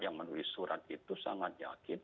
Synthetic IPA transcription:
jaŋmənuisuɾat̪̚it̪usaŋat̪̚ja̰kɪn

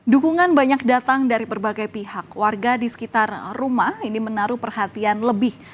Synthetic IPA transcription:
dukuŋanbaɲak̚dat̪aŋdaɾipərbaɡajpihakwarɡadisə̥kit̪arːumahinimənaɾupərhat̪ianləbɪh

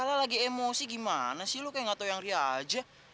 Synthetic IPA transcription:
alalaɡiemosiɡimanasilokajaŋat̪ajaŋriad͡ʒa

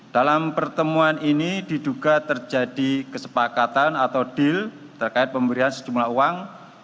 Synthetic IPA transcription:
d̥alampərt̪əmuaninididuɡat̪ərd͡ʒad̥ikəsə̥pakat̪anat̪awd̥ɪl | t̪ərkaɪt̪̚pəmbəɾiɦansəd͡ʒumlaɦuwaŋ

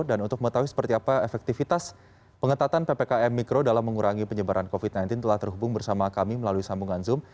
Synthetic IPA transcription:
danunt̪ʊk̚məŋət̪awuisə̥pərt̪iapaefɛk̚t̪ifit̪as | pəŋət̪at̪anpepekaɛmːikɾodalamːəŋuɾʔaŋipəɲəbaɾʔankofit̪̚najnt̪ɪnt̪əlaht̪ərɦubʊŋbərsamakamiməlaluisambuŋanzʊm

